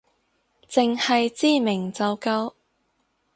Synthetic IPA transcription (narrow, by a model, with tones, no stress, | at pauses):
t͡sɪ˨ŋhɐ˨jt͡siː˥˩mɪ˨˩ŋt͡sɐ˨wkɐ˧˥w